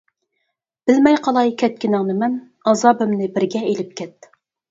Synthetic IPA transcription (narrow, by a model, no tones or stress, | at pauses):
b̥ɪlmɛjqʰɑlˠɑjkʲʰɛt̪̚kʲɪnɨŋnɨmɛn | ɑzɑːbɪmnɪbɪɾɡʲɛelɪp̚kʲʰɛt̪ː